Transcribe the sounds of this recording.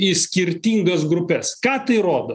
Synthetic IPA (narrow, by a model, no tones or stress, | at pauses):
ɪsʲkʲɪɾʲt̪ʲiːŋɡɐs̬ɡɾʊpʲɛskɑːt̪ɐɪɾoːd̪o